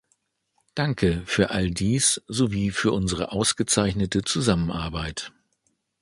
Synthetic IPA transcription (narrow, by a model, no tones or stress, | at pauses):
d̥aŋkʰəfyːɐʔaldiːsz̥oviːfyːɐʔʊnzəʁə̰ʔaʊsɡ̥ət͡saɪçnətət͡suzamənʔa̰ɐbaɪt